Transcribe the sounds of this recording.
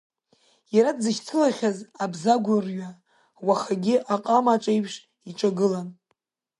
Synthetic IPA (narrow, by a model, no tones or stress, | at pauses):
jaɾadzɨʃt͡sʰɨlaχʲazabzaɡʷʊrɥa | waχaɡʲɪʔaqʼamaʈ͡ʂʼejpʰʂ | iʈ͡ʂʼaɡɨlan